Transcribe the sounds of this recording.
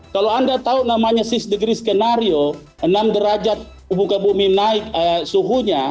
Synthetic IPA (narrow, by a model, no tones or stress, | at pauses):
kaloandat̪aunamaɲasisdəɡɾiskɛnaɾio | ənamdəɾad͡ʒat̪̚ | ubukabuminaɪkəsuɦuɲa